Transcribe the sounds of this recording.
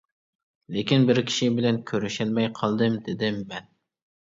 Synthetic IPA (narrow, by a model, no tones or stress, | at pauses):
lɪkʲinbɪɾkʲʰi̥ʃibɪlɛnkʲʰøɾɪʃɪlmɛjqʰɑlˠd̪ɨmd̪ɪd̪ɪmːɛn